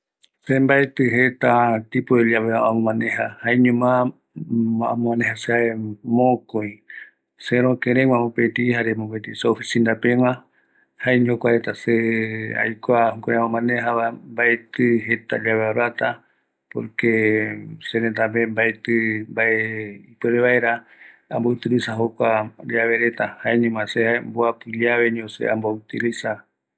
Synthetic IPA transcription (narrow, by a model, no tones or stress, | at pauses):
sembaet̪ɨɦet̪at̪ipoeʎaβeaamõmãnẽɦahaeɲõmã | ã̰mõmãnẽhaseaemõkoj̃ | seɾokeɾeŋʷãmõpet̪ihaɾemõpet̪iseofisind̪apẽŋã | haeɲokʷaɾet̪asea̰jkʷahokʷaɾeõmãneɦaβambaet̪ɨɦet̪a̰d͡ʒaβeaɾat̪a | po̰ɾkesenent̪ambembaet̪ɨmbaeipeɾeβaeɾa | ambout̪ɨɾisaɦokʷad͡ʒaβe̞ɾet̪ahaeɲẽŋãseaemboapɨʎaβe̞ɲosḛambout̪ilisa